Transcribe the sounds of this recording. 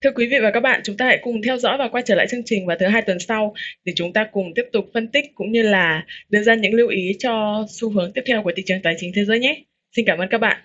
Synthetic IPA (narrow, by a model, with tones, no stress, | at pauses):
t̪ʰɨ˧kwi˨˦vḭ˧˨vaː˨˩kaː˦˥k̚ɓa̰ː˧˨nt͡ɕʊ˨˦ŋ͡mt̪aː˧sɛ̰˧˥jkʊ˨˩ŋ͡mt̪ʰɛ˧wzɔ̰˧˥vaː˨˩kwaː˧t͡ɕəː˧˩la̰ː˧˨jt͡ɕɨ˧əŋt͡ɕï˨˩ŋ̟vaː˨˩t̪ʰɨ˨˦ɦaː˧jt̪wə˨˩nsa˧wɗe˧˩t͡ɕʊ˨˦ŋ͡mt̪aː˧kʊ˨˩ŋ͡mt̪i˦˥əp̚t̪ʊ˨˩k͡p̚fə˧nt̪i˦˥k̟̚kʊ̰˧˥ŋ͡mɲɨ˧laː˨˩ɗɨ˧zaː˧ɲɨ̰˧˥ŋli˧əwʔi˨˦t͡ɕɔ˧su˧ɦɨ˨˦əŋt̪i˦˥əp̪̚ʰɛ˧wku˧˩t̪ḭ˧˨t͡ɕɨ˨˩əŋt̪aː˨˩jt͡ɕï˨˦ŋ̟t̪ʰe˨˦zəː˨˦jɲɛ˨˦ | si˧nkaː˧˩mʔə˧nkaː˦˥k̚ɓa̰ː˧˨